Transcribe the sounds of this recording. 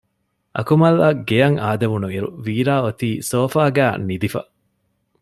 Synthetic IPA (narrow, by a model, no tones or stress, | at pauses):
ʔɐ̰kumɐlːɐɡejɐŋaːd̪ɐʋunuiɾṵʋiːɾaːot̪iːsoːfaːɡæːnid̪ifɐ̰